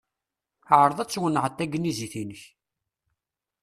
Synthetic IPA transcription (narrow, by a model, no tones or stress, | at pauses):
ʕɾˤəðˤæt͡sːwənːəʕət̪ːæɡənːiziθinəç